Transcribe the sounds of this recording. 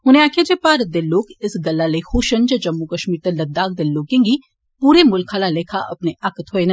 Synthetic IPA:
ɦʊnẽaːkʰed͡ʒepaːɾəd̪elːoːkɪsɡɐlːalexoːʃənd͡ʒɐd͡ʒɐmːukɐʃmiːɾt̪ɐlɐd̪aːk̚d̪elloːkẽŋɡi | puːɾemʊlkʰalaleːkʰaʔɐpneʔaːkət̪ɦoːenɐ

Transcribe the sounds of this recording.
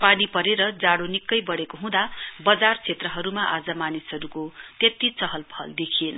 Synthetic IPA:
panipʌɾeɾʌd͡zaɽonikːʌjbʌɽekoɦũd̪abʌd͡zart͡sʰet̪rʌɦʌɾumaʔad͡zʌmanisɦʌɾukot̪et̪it͡sʌɦʌlpʰʌ̰ld̪ekʰienʌ

